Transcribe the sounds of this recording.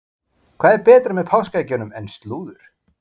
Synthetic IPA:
kʰvaːðɛɾpɛːt̪ɾamɛðpʰawskajcʏnʏmɛnst̪luːðʏɾ̥

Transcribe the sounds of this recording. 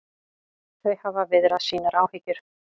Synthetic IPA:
θœɥhavavɪðɾasiːnaɾʔaːwhɪcʏɾ̥

